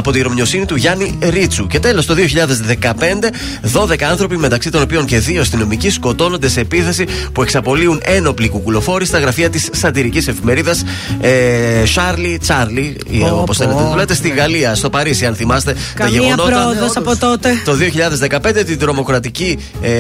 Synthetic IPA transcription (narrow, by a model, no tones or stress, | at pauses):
ɐpo̞t̪iɾo̞mɲo̞sinit̪uʝɐniɾit͡suce̞t̪e̞lo̞st̪o̞ðioçiʎɐðe̞zðe̞kɐpe̞nd̪e̞ | ðo̞ðe̞kɐɐnθɾo̞pime̞t̪ɐksit̪o̞no̞pio̞ɲce̞ðiost̪ino̞micisko̞t̪o̞no̞nd̪e̞se̞ːpiθe̞sipue̞ksɐpo̞liune̞no̞plikukulo̞fo̞ɾist̪ɐɣɾɐfiɐt̪isːɐt̪iɾicise̞fime̞ɾiðɐs | ʃɐɾlit͡sɐɾli | oposθeleðulet̪est̪iɣɐliɐst̪o̞pɐɾisiɐnθimɐst̪e̞ | t̪ɐʝeɣonotɾoðosɐpot̪ot̪et̪o̞ðioçiʎɐðe̞zðe̞kɐpend̪et̪ind̪ɾo̞mo̞kɾɐt̪ici